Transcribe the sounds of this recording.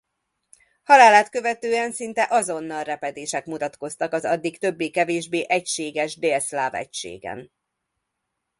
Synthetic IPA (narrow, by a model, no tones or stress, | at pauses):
hɒlaːlaːt̪kø̞vɛt̪øːɛnsint̪ɛʔɒzo̞nːɒlrɛpɛd̪eːʃɛkmut̪ɒt̪ko̞st̪ɒkɒzɒd̪ːikt̪ø̞bːeːkɛveːʒbeːʔɛcʃeːɡɛʒd̪eslaːvɛ̰cʃḛːɡɛ̰n